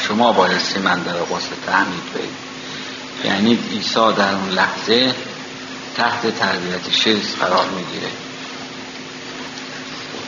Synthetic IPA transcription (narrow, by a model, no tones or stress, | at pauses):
ʃomɒːbɒːjessimænd̪æɾɣoset̪ʰæmiːd̪bḛhḭːd̪̥ | jæ̰niːd̪iːsɒːd̪æɾunlæhz̥e̞ | t̪ʰæht̪ʰet̪ʰæɾbijæt̪ʰeʃisfæɾɒːɾmiːɡiːɾḛ